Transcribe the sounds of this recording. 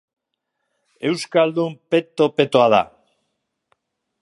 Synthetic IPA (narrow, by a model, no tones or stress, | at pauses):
e̞wskald̪umpe̞t̪o̞pe̞t̪oaða̰